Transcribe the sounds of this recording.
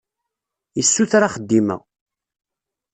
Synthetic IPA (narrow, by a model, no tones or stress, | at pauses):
əsːuθɾaχəd̪ːimə̰